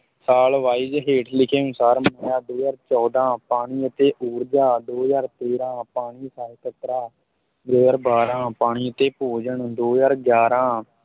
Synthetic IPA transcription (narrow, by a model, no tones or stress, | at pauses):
saːlʋaːiːd͡ʒɦeːʈʰlɪkʰeːənʊsaːɾmməjãːd̪oːjaːɾt͡ʃɔːd̪ãːpaːɽ̃iːət̪eːʔuːɾd͡ʒaːd̪oːjaːɾt̪eːɾãːpaːɽ̃iːsaːlkət̪ɾaː | d̪oːjaːɾbaːɾãːpaːɽ̃iːət̪eːpoːd͡ʒəɳd̪oːjaːɾɡjaːɾãː